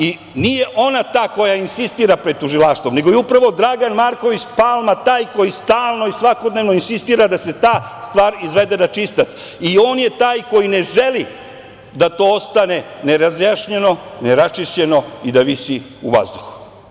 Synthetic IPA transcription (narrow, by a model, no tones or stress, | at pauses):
i | nije̞ʔo̞nat̪aːko̞jainsist̪iːɾapɾed̪̚t̪uʒilˠaːʃt̪ʋo̞mne̞ɡo̞jeupɾaʋod̪ɾaɡanmaɾko̞ʋit͡ɕpalˠmat̪aːjko̞jist̪aːlˠno̞isʋako̞d̪ne̞ʋno̞insist̪iːɾad̪ase̞t̪aː | st̪ʋaːɾizʋe̞d̪e̞nat͡ʃist̪at̪s | io̞ːnje̞t̪aːjko̞jine̞ʒe̞li | d̪at̪o̞ːost̪ane̞neɾazjaʃɲeno̞neɾat͡ʃiʃt͡ɕe̞no̞id̪aʋisi | uʋa̰zd̪uxu̥